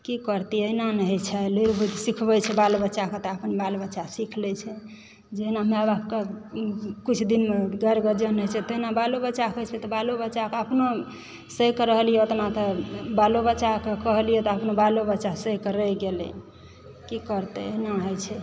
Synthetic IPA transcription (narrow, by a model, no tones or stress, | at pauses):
kikəɾt̪iəinanəɦɛt͡ʃʰɛluɾbud̪sikʰbɛt͡ʃʰɛbalbət͡ʃaket̪ɔapənbalbəːʃasikʰlɛt͡ʃʰɛ | d͡ʒeɦinameabapke | kut͡ʃʰd̪inmeɡəɾɡəd͡ʒənɦəjt͡ʃʰɛt̪əɦinabalobət͡ʃakət͡ʃʰɛt̪ɔbalobəːt͡ʃakeəpno | səkɾəɦlijɛot̪nat̪əbalobəːt͡ʃːakekəɦlijɛt̪ɔəpnobalobəːt͡ʃasəkəɾəɡelɛ̰ | kikəɾt̪ɛəɦinaɦojt͡ʃʰɛ